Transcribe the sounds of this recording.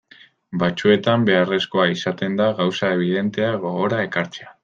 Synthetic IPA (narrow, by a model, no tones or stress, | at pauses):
bat͡sue̞t̪ambe̞are̞sko̞aisat̪e̞nd̪aɣawsae̞β̞iðe̞nt̪e̞aɣo̞ɣo̞ɾae̞kaɾt͡sea